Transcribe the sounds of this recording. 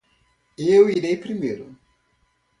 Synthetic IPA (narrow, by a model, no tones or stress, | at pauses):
ewiɾejpɾimejɾʊ